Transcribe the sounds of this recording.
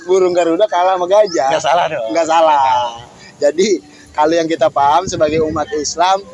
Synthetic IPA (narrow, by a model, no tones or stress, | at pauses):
buɾʊŋɡaɾudakalaməɡad͡ʒaɡasaladŋɡaʔsala | d͡ʒadi | kalojaŋkit̪apaɦamsəbaɡajumat̪̚islam